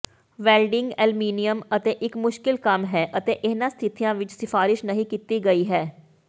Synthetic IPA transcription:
ʋɛːlɖɪŋɡɛːlmiːnɪjəmət̪eːʔɪkmʊʃkɪlkəmɦɛːʔət̪eːʔɪnãːst̪ʰɪt̪ijãːʋɪt͡ʃsɪfaːɾɪʃnəɦĩːkiːt̪iːɡəiːɦɛː

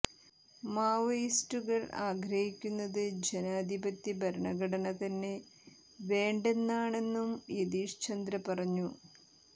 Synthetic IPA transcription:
maːʋɐjistuɣɐɭa̰ːɡɾɐhikʲːunːɐðɨd͡ʑe̞naːd̪ʱibɐt̪ːibʱɐɾɳɐɡʱɐɽɐɳɐt̪ɐnːe̞ | ʋe̞ːɳɖe̞nːaːɳe̞nːumjed̪iːʂt͡ɕɐnd̪ɾɐpɐrɐɲːu

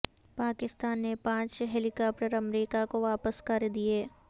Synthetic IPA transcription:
paːkɪst̪aːnːepãːt͡ʃɦɛlɪkaːp̚ʈəɾɐmɾiːkakoʋaːpəskɐɾd̪ieː

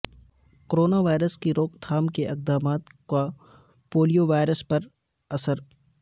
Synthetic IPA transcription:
koɾoːnaʋaːɪɾəskiɾoːkd̪ʰʱaːmkeʔɪq̚d̪aːmaːt̪ka | poːlijoʋaːɪɾəspɐɾ | ɐsəɾ

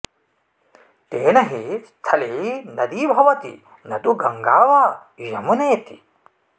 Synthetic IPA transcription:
t̪eːnɐɦist̪ʰɐlinɐd̪ibʱɐʋɐt̪ḭ | nɐd̪uɡɐŋɡaːʋaː | jɐmuneːt̪i

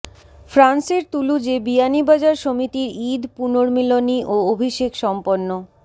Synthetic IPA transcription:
fʰɾanseɾt̪ulud͡ʑebianibad͡ʑaɾʃomit̪iɾid̪punoɾmiloniʔoobʱiʃekʃɔmponːo

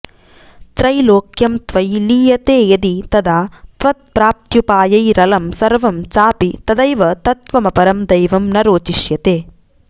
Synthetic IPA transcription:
t̪ɾɐjloːkjɐmt̪ʋɐjliːjɐt̪eːjɐd̪it̪ɐd̪aːt̪ʋɐt̪̚pɾaːp̚t̪jupaːjɐjɾɐlɐmsɐɾʋɐmt͡ʃaːpit̪ɐd̪ɐjʋɐt̪ɐt̪ʋɐmɐpɐɾɐmd̪ɐjʋɐmnɐɾoːt͡ʃiʃjɐt̪eː

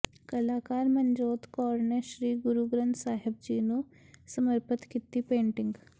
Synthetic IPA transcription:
kəlaːkaːɾmənd͡ʒoːt̪kɔːɾneʃɾiːɡʊɾuːɡɾə̃nt̪saːɦɪb̚d͡ʒiːnu | səməɾpət̪kit̪ipẽːɳʈɪ̃ŋɡ

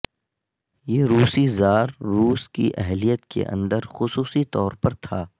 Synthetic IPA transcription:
jeːɾuːsizaːɾːuːskḭʔɛɦlijət̪kḛʔɐ̰̃nd̪əɾxʊsuːsit̪ɔːɾpɐɾt̪ʰaː

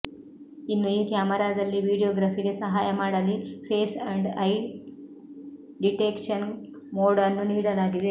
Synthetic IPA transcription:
inːuiːkjaːmɐɾaːd̪ɐlːiʋiːɽijoːɡɾaːpʰiɡe̞sɐɦaːjɐmaːɽɐlipʰeːsɐɳɖɐj | ɖiʈeːkʂɐn | moːɽɐnːuniːɽɐlaːɡid̪e̞

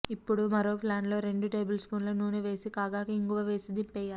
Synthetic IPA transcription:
ipːuɽumɐɾo̞ːpʰlaːɳlo̞ːɾe̞ɳɖuʈe̞ːbɐlspuːnloːnuːnuʋe̞ːsikaːɡaːkɐiŋkuʋɐʋe̞ːsid̪impɛːjːaːɾ

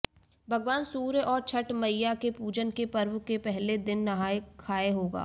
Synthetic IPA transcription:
bʱɐɡʋaːnsuːɾʔɔːɾt͡ʃʰɐʈmɐjjakepuːd͡ʒənkepɐɾʋʊkepɛɦled̪ɪnːɐɦaːekʰːaːeɦoːɡa̰ː

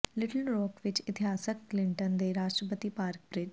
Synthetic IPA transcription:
lɪʈəlɾɔːkʋɪt͡ʃɪt̪ɪɦaːsəkːlɪɳʈənd̪eːɾaːʃʈɾəpət̪ipaːɾk̚bɾɪd͡ʒ

